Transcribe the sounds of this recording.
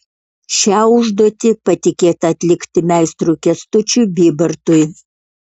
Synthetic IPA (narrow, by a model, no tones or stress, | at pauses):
ʃʲæːʊʒd̪ɔːt̪ʲɪpɐt̪ʲɪkʲeːt̪ɐɐt̪ʲlʲɪkt̪ʲɪmʲæˑɪst̪ɾuːkʲɛst̪ʊt͡ʃʲuːbʲiːbɐɾt̪ʊj